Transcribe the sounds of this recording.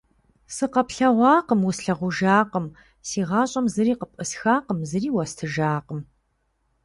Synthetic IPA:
sɨqɐpɬɐʁʷɑːqəmwʊsɬɐʁʷʊʒaːqəm | siːʁɑːɕʼɐmzɨɾiːqəpʼɨsxaːqəmzɨriːwɐstʰɨʒaːqəm

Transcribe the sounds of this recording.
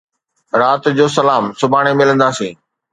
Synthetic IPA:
ɾaːt̪d͡ʑoːsɐlaːmsʊbʱaːɽ̃emɪlə̃nd̪aːsĩː

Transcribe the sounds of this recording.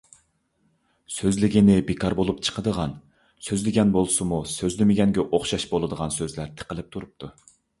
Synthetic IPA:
søzlɪɡʲinɪbekʰɑɾbolˠupt͡ʃʰə̥qʰəd̪əʁɑn | søzlɪɡʲɛnbolˠsɨmusøzlɪmɪɡʲɛŋɡʲɛʔoχʃɑʃbolˠɨd̪əʁɑnsøzlæɾt̪ʰə̥qəlˠɪp̚t̪ʰuɾup̚t̪ʰu

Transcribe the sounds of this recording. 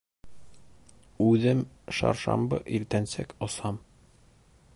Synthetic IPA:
ʉðɘm | ʃɑ̰ɾʃɑ̰mbɤ̰ʔiɾt̪ænsækŏsɑm

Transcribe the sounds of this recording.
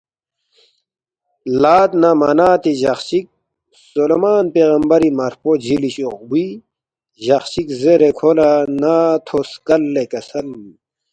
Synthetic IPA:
laːt̪namɐnaːt̪iʑɐ̰xɕik̚ | solemaːnpeːɣɐmbɐɾimɐɾpod͡ʑʱiliɕoqbi | ʑɐxɕikzeɾekʰolanat̪ʰoskɐlːekɐsɐn

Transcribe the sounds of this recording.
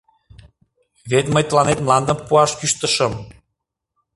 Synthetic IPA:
βet̪məjt̪əlɑnet̪mlɑnd̪ə̆mpuɑʃkyʃt̪əʃə̆m

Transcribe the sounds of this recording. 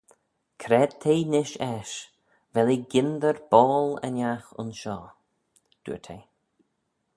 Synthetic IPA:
kʰɾɛd̪̚t̪ʰeːnɪʃɛʃ | vɛliɡɪnd̪əɹb̥ɔːlə̰njaxʊ̰nʃɔː | d̪̥ṵːət̪ʰej

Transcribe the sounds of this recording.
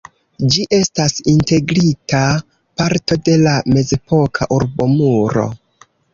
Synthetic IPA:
d͡ʒiʔe̞stasinte̞ɡɾita | paɾto̞de̞lame̞ze̞pʰo̞kʰaʔuɾbo̞muɾo̞̰

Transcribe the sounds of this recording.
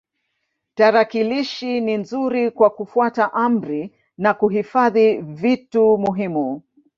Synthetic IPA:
taɾakiliʃininzuɾikwakufuataʔam̩ɾi | nakuɦifaðivitumuɦimu

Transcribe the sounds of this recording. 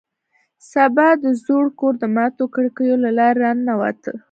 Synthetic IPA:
sabɑd̪əzoɽkoɾd̪əmɑt̪okəɽkəjolalɑɾːɑnːawa̰t̪ə

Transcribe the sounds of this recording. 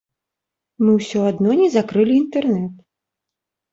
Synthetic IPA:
mɨwsʲɔad̪nɔnʲɛzakɾɨlʲiːnt̪ɛrnɛt̪

